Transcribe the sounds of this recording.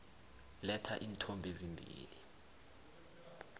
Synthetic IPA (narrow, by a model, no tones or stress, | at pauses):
lɛtʰa̰ʔintʰɔmbʱezimbʱḭːli